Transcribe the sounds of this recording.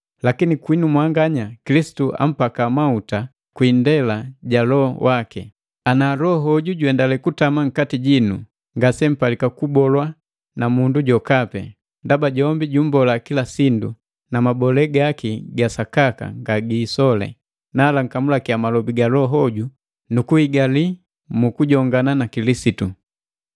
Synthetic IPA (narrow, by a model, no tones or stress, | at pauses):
lakinikwinumwaŋɡaɲakilisi̥tuʔa̰m̩pakamauta | kwindɛlaɟalɔwʔakɛ | analɔɦɔɟuɟuɛndalɛkutamaŋ̩katiɟinṵ | ŋɡasɛm̩palikakubɔlwa | namunduɟɔkapɛ | ndabaɟɔmbiɟum̩bɔlakilasindṵ | namabɔlɛɡakiɡasakaka̰ŋɡaɡiːsɔlɛ̰ | naːlaŋ̩kamulakiamalɔbiɡalɔɦɔɟu | nukuhiɡali | mukuɟɔŋɡananakilisitu